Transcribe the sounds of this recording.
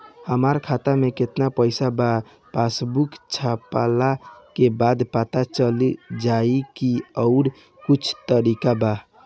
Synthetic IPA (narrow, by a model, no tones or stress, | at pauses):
həmaɾkʰat̪ameket̪napəɪsaba | pasbukt͡ʃʰapalakebad̪pat̪at͡ʃəlid͡ʒaikiəʊɾ | kut͡ʃʰt̪əɾikaba